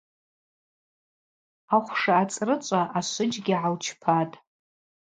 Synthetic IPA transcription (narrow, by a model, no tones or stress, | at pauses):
aχʷʂaːt͡sʼrɨt͡ʃʷʼaʔaʃʷʊd͡ʒɡʲiʕawt͡ʃʰpʰatʼ